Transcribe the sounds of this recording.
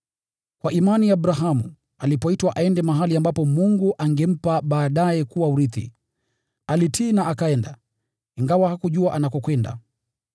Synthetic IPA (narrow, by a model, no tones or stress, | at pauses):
kwaʔimaniabɾaɦamu | alipɔitwaʔaɛndɛmaɦaliambapɔmuŋɡuʔaŋɡɛm̩paɓaːɗajɛkuwauɾiθḭ | alitʰiːnaakaɛnda | iŋɡawahakuʄuaʔanakɔkwɛnda̰